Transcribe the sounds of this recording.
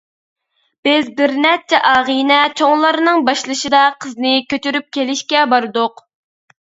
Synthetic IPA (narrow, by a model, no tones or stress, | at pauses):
b̥ɪzbɪɾnɛt͡ʃʰɛʔɑːʁijnɛt͡ʃʰoŋlˠɑɾnɨŋbɑʃlˠɨʃɨd̪ɑqʰəznɪkʲʰøt͡ʃ̪yɾyp̚kʲʰelɪʃkʲɛbɑɾd̪ʊq